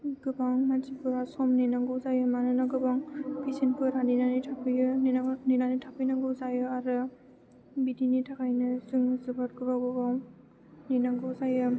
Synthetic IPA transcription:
ɡɯbaŋmansipuɾasɔmninaŋɡɯzajɯmanɯnaɡɯbaŋpʰisinkɯɾaninanitʰapʰɯjɯnianinanitʰapʰɯjnaŋɡɯwzajɯaɾɯ | bidinitʰakajnɯsɯŋzɯbat̚ɡɯbaɡɯbaw | ninaŋɡɯwzajɯ

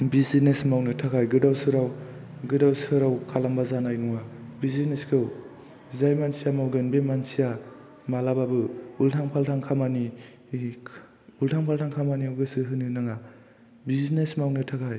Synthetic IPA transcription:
bizinesmawnɯtʰakʰajɡɯdawsɯɾawɡɯdawsɯɾawkʰalambazanajnuŋabizineskʰɯw | zajmansijamawɡɯnbemansija | malababɯultʰaŋpʰaltʰaŋkʰamani | ultʰaŋpʰaltʰaŋkʰamaniɯɡɯsɯɦɯnɯnaŋa | biznesmawnɯtʰakʰaj

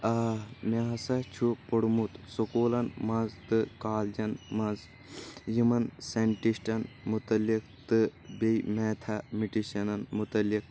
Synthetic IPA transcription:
ɐmeɦɐsɐt͡ʃʰupoɽmut̪sokoːlɐnmɐnzt̪ɨkaːld͡ʒɐnmɐnz | jumɐnseɳʈisʈɐn | mut̪ɐlːik | t̪ɨbejmeːt̪ʰɐmiʈiʃɐnɐnmut̪ɐlːik̚

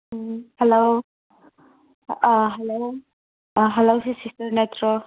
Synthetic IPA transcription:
hɛlow | ɦɛlow | ɦɛlowsisistɐɾnetʰɾo

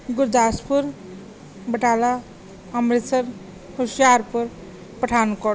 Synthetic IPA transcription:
ɡuɾd̪aspuɾ | bəʈala | amɾesʌɾ | hosjaɾpʌɾ | pəʈʰanukʌ

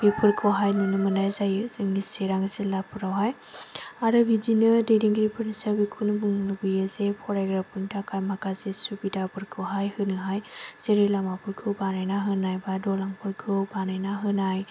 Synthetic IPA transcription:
bipʰɯɾkʰɯwɦajnɯnɯmɯnajzajɯzɯŋniseɾaŋzelapʰɯɾawɦaj | aɾɯbidinɯdejdiŋɡɾipʰɯɾnisabikʰunbɯŋlɯbɯjazepʰɔɾajɡɾapʰɯntʰakʰajmakazesubidapɯɾkʰɯwɦajhɯnɯɦajseɾilamapʰɯɾkʰɯbanajnaɦɯnajbadɔlaŋpʰɯɾkʰɯbanajnaɦɯnaj

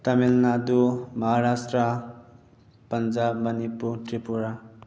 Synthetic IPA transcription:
t̪ʌmilnad̪umʌɦaɾasʈrʌ | pʌnd͡zabmʌnipːut̪ripuɾa

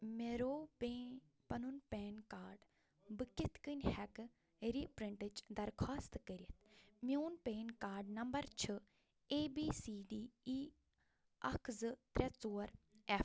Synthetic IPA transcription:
meɾoːpe | pɐnunpeːnkaːɾɖ | bɨkʲit̪ʰkɨnʲhɛk | ɾipɾiɳʈɨt͡ʃd̪ɐɾkʰaːst̪ɨkəɾʲiɐt̪ʰmioːnpeːnkaːɾɖnɐmbɐɾt͡ʃʰɨ | eːbiːsiːɖiːi | ɐkʰzɨt̪ɾʲɛt͡soːɾɛf

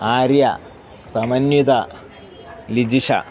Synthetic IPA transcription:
aːɾjɐ̰ | sɐmɐnjud̪ɐ | lid͡ʒiʂɐ̰

